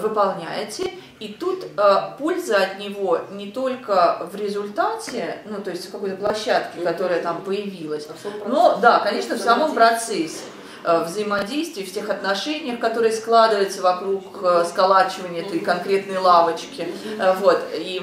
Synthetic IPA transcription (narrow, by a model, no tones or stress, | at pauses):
vɨpɐlˠnʲæjɪtʲɪ | it̪ut̪əpo̞lʲzəɐt̪nʲɪvo̞nʲɪt̪o̞lʲkəvɾʲɪzʊlʲt̪atʲɪnut̪o̞jɪsʲtʲfkɐko̞jt̪əplˠɐɕːat̪kʲɪkɐt̪o̞ɾəjət̪ampəjɪvʲilˠəsʲno̞d̪akɐnʲe̞ʂnəfsɐmo̞mpɾɐt̪sɛsʲːɪ̥ | vzəɪmɐdʲejst̪vʲɪːftʲe̞xɐt̪nɐʂɛnʲɪjəxkɐt̪o̞ɾɨjəsklˠad̪ɨvəjɪt̪səvɐkɾukskɐlˠat͡ɕɪvənʲɪəɛt̪əjkɐnkɾʲe̞t̪nəjlˠavət͡ɕkʲɪvo̞t̪i